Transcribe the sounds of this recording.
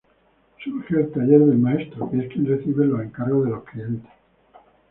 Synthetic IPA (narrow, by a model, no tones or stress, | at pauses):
suɾxeːlt̪aʎe̞ɾðelmae̞st̪ɾoieskjenreθiβeloe̞ŋkaɾɣo̞zðe̞lo̞sklie̞nt̪e̥s